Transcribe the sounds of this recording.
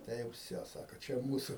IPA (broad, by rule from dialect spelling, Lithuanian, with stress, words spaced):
ˈtɐɪ jɛʊ ˈʋʲsʲoː ˈsɑːkʊ ˈt͡ʃʲɛ ˈmuːsʊ